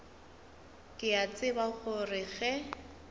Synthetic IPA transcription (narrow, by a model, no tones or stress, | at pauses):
kʼɪat͡sʼɪbaɣʊrɪɣɛ